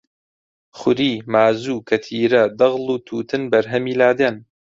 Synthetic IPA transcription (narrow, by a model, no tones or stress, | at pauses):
xʊɾiːmaːzuːkʰɐt̪ʰiːɾɐd̪ɐɣlˠuːt̪ʰuːt̪ɨnbɐɾɦɐmiːlaːd̪en